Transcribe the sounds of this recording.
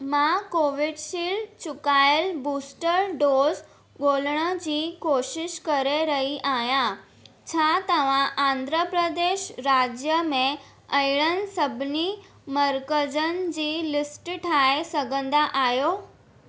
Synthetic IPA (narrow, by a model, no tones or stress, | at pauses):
mãkoːʋɪɖʃiːlt͡ɕʊkaːɪəlbuːsʈəɾɖoːz | ɠoːləɽ̃əd͡ʑiːkoːʃɪʃkɐɾeɾɐɦiʔaːɦjã | t͡ɕʰaːt̪ɐʋ̤ãʔãːnd̪ʱɾəpɾəd̪eːʃɾaːd͡ʑjəmẽ | ɐɪɽ̃ən̆sɐbʱɪni | mɐɾkəd͡ʑən̆d͡ʑiːlɪsʈʈʰaːesɐɡʱə̃nd̪aʔaːɦjoː